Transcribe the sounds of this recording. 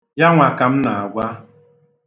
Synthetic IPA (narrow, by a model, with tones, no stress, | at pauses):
ja˦ŋʷa˨ka˨m̩˦na˨a˨ɡʷa˦